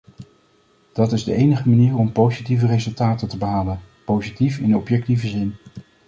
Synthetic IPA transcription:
d̥ɑtɪzdəʔejnəχəmaniːrɔmpowzitivərezɵlˠtaːtətəbəɦaːlənpowzitifɪnɔpjɛk̚tivəzɪn

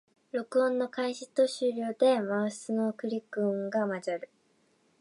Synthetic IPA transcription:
ɾo̞kɯ̟õ̞nːo̞kaiɕit̪o̞ɕɨːɾʲo̞ːd̪e̞masɨnokɯ̟ɾʲikːɯ̟ŋɡamad͡ʑaɾɯ̟

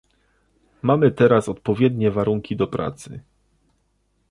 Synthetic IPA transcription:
mamɘt̪ɛɾasɔt̪pɔvʲjɛd̪ɲɛvaɾuŋkʲid̪ɔpɾa̰t̪sɘ̰

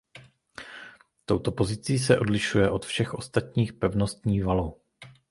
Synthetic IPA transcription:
t̪o̞wt̪o̞po̞zɪt͡siːs̬ɛʔo̞dlɪʃujɛʔo̞t̪fʃɛxʔo̞st̪at̪ɲiːxpɛvnost̪ɲiːvalo

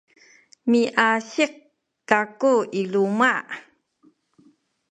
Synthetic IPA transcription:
miʔaɕiq̚ | kakuiluma

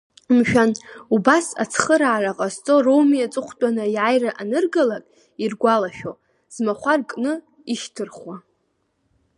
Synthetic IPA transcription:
mʃᶣanubasa̰t͡sʰχəɾaʕaraqʼast͡sʼorowmiat͡sʼɨχʷtʼanɨjʕajraʔanɨrɡalakʼ | irɡʷalaʃᶣo | z̥maχʷarkʼnɨ | iʃtʰɨrχwa

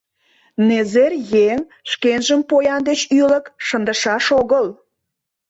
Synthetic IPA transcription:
nezerjeŋ | ʃkenʒəmpojɑnd̪et͡ɕyləkʃənd̪əʃɑʃoɣəl

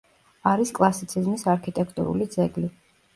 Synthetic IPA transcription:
aɾiskʼlˠasit̪sʰizmisaɾkʰit̪ʼɛkʰt̪ʼṵɾṵlid̪zɛɡli

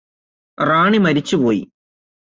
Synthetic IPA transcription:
raːɳimɐɾit͡ɕːupoːjḭ

